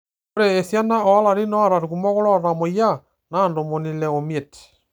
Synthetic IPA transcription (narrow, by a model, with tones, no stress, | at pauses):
oɾeː˨sja˦na˦ɔ˨a˦la˨ɾi˦nɔ˦a˦ɾa˨ɾu˨kumɔ˦ɣo˦ɾɔ˦ɾɔɾa˨mo˨ja˦ | na˦ndo˨mo˨ni˨lɛ˨o˨mjɛ˨ti̥˨